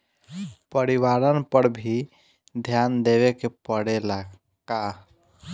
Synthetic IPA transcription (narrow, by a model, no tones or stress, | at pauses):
pəɾiwaɾənpəɽbʱi | d̪ʱjand̪ewekepəɽela | ka